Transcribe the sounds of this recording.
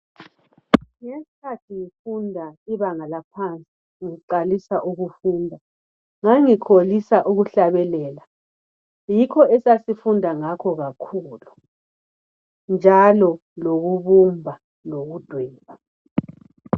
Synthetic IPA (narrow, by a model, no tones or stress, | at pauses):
ŋesi̥kʰatʰiŋifundʱaiβaŋalapʰant͡sʼi̥ | ŋiǃalisaʔuɣufuːndʱa | ŋaŋikʰolisaʔuɣuɬaβɛlɛːla | jikʰɔɛsasifundʱaŋakʰɔɣakʰuːlu | nd͡ʒʱalɔ | loɣuβumbʱa | noɣud̥ʱwɛːɣa